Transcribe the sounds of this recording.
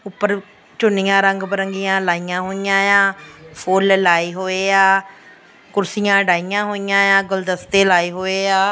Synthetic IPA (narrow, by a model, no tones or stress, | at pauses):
ʊpːəɾ | t͡ʃʊnɪjãːɾəŋɡpəɾəŋɡɪjãːlaːijãːɦoːijãːjãːpʰoːllaːiːɦoːeːaː | kʊɾsɪjãːɖaːɪjãːɦoːɪjãːjãːɡʊld̪əst̪eːlaːiːɦoːeːaː